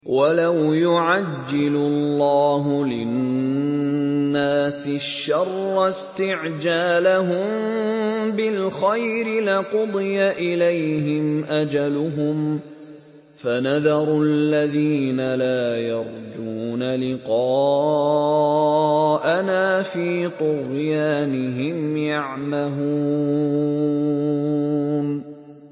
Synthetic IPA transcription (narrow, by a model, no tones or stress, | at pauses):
walawjʊʕad͡ʒːɪlʊlːɑːɦʊlɪ | aːsɪʃːɑrˤːɑst̪ɪʕd͡ʒaːlaɦʊm | bɪlxajɾɪlɪqʊd̪ˤɨjaʔɪlajɦɪmʔad͡ʒalʊɦʊm | fanaðɑɾˤlːaðiːnalaːjɑɾˤd͡ʒuːnalɪqɑː | ʔanaːfiːt̪ˤʊrjaːnɪɦɪmjaʕmahuː | n